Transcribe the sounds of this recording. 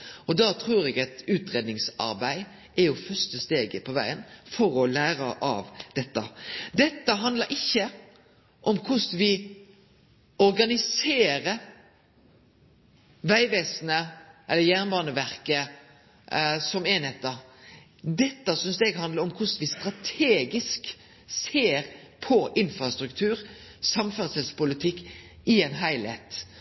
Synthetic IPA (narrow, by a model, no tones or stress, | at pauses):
ɔd̪ɑːt̪ʰɾuːɾɛɡɛt̪ʉːt̪ɾeːd̪nɪŋsɑ̰ɾbæɪ | ɛɾjʊfœʁst̪əst̪eːɡəpʰɔʋæɪənfɔɾɔlæːɾəʔɑ̰ʋd̪ɛt̪ːəd̪ɛt̪ːəɦɑnd̪ləɾʔɪçːə | ʔɔmkʰʊsʋɪ | ɔɾɡɑnɪseːɾəɾ | ʋæɪʋeːsnəʔɛlːəjæʁnbɑːnəʋæʁkə | sɔmeːnhɛt̪ːə | d̪ɛt̪ːəsʏnsɛɡhɑnd̪ləɾɔmkʰʊsʋɪst̪ɾɑt̪ʰeːɡɪsk | seːɾ | pʰɔʔɪnfɾɑst̪ɾʉkt̪ʰʉːɾsɑmfœʁsəlspʊlɪt̪ʰɪkːɪɛnɦæɪlhḛːt̪